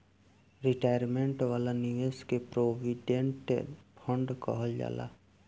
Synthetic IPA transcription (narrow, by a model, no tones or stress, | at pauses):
ɾɪʈaːjəɾmẽɳʈʋaːlaniʋeskepɾoːʋiɖẽɳʈpʰə̃ɳɖkɔ̰ɦɔld͡ʒa̰ːla̰ː